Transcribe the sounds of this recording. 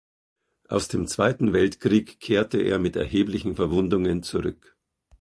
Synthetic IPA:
ʔa̰ʊsd̥eːmt͡sv̥aɪtn̩vɛltkʁ̥iːkʰːeːɐtəʔḛːɐmɪtɛ̰ɐheːblɪçn̩fɛɐvʊndʊŋənt͡suʁʏk

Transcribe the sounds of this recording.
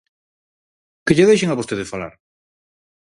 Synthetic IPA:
keʎeðejʃ̬eŋaβost̪eðesfala̰ɾ

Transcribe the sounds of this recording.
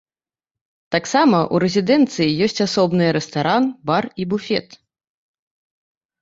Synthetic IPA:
t̪aksamɐʔuɾɛzʲid̪ɛnt̪sɨjijɔsʲt͡sʲasɔbnɨjɾɛst̪aɾanbaribufʲɛ̰t̪

